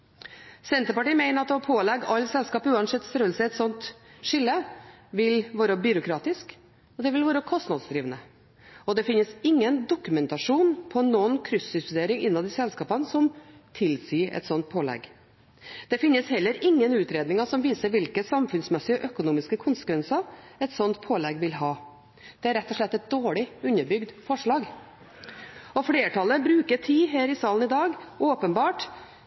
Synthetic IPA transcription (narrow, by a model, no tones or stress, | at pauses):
sɛnt̪əɾpɑʈiːmæɪnəɾɑt̪ɔpʰoːlɛɡɑlːsɛlskɑːpʉːɑnsɛt̪ːst̪ɾœːəlsəɛt̪sɔnt̪ʂɪlːəʋɪlʋɑːɾəbʏɾʊkʰɾɑːt̪ɪsk | ɔd̪ɛʋɪlʋɑːɾəkʰɔst̪nɑd̪sd̪ɾiːʋənə | ɔd̪ɛfɪnːəsɪŋːənd̪ʊkʉmɛnt̪ɑʂuːnpʰɔnːɔnkʰɾʏsʏst̪ʉd̪eːɾɪŋʔɪnːɑʋd̪ɪsɛlskɑːpənsɔmt̪ʰɪlsiːɛ̰t̪sɔnt̪̚pʰoːlɛ̰ɡ | d̪̥ɛfɪnːəshɛlːəɾɪŋːənʉːt̪ɾeːd̪nɪŋɑsɔmʋiːsəɾʋɪlkəsɑmfʉnsmɛsɪɔʔœkʊnuːmɪskəkʰʊnsə̥kʋɛnsɑɛt̪sɔnt̪pʰoːlɛɡʋɪlɦɑː | d̪̥ɛæɾɛt̪ːɔʂɭɛt̪ːɛt̪̚d̪oːɭɪʉnːəbʏɡd̪fɔʂɭɑːɡ | ɔfɽeːʈʰɑlːəbɾʉːkəʈʰiːɦæːɾɪsɑːln̩ɪd̪ɑːɡʔoːpənbɑːʈ